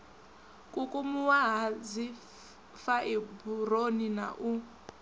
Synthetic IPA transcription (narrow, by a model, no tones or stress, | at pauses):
kʼukʼumuwaɦad͡zi | faʔiburonina̰ʔu